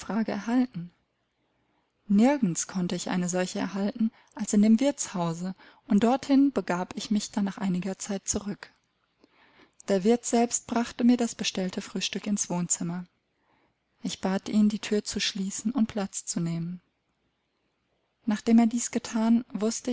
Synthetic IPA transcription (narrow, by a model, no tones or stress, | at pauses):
fʁ̥aːɡəɛɐɦaltn̩ | nɪɐɡŋ̩skʰɔntəɪçʔa̰ɪnəzɔlçəɛ̰ɐɦaltn̩ | ʔalsɪndeːmvɪɐt͡shaʊzə | ʔʊnt̚d̥ɔɐthɪnb̥əɡaːpɪçmɪçd̥anːaːχʔaɪnɪɡɐt͡saɪt̚t͡suʁʏk | d̥eːɐvɪɐtz̥ɛlpst̚b̥ʁaχtəmiːɐdasb̥əʃtɛltʰəfʁ̥yːʃtʏkɪnsv̥oːnt͡sɪmɐ | ʔɪçb̥aːtʔiːndiːtʰyːɐt͡suʃliːsn̩ʊnt̚pʰl̥at͡st͡suneːmən | naːχd̥eːmeːɐdiːsɡ̥ətʰaːnvʊstə